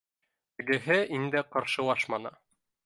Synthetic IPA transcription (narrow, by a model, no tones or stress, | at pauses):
ɘ̆ɡɘ̆ɦɘʔind̪æqɑɾʃɤ̆wɑʃmɑnɤ